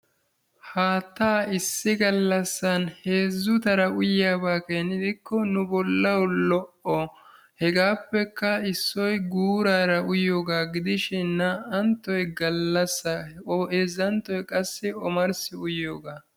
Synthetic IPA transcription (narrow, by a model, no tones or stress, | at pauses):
haːt̪ːaːɪsːɪɡɐlːɐsːɐnhe̞ːzːʊt̪ɐɾɐʊjaːbaːkeːnɪd̪ɪkːɔnʊbɔlːɐwlɔʔʔɔ | hɛɡaːpːɛkːɐɪsːɔjɡuːɾaːɾɐʔʊjoːɡaːɡɪd̪ɪʃɛnːɐʔɐnt̪ːɔjɡɐlːɐsːɐezːɐnt̪ːɔjkʼɐsːɪɔmɐɾsɪʊjoːɡaː